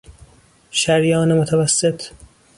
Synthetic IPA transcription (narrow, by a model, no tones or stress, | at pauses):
ʃæɾjɒːnemot̪ʰævæsːet̪ʰ